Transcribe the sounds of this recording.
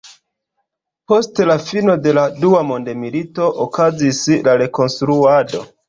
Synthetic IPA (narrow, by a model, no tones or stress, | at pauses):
po̞stlafino̞de̞laduamo̞nde̞milito̞ʔokazislaɾe̞ko̞nstɾuado̞